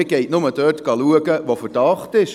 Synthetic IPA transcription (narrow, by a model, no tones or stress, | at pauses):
ɪɡ̥ɛɪtnʊməd̥œːtɡ̥ɑluəɡəʋofərd̥ɑχtɪʃ